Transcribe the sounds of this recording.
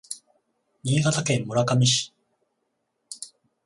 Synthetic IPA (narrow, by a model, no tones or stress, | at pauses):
ɲʲiːɡat̪akẽ̞mːoɾakamʲiɕi̥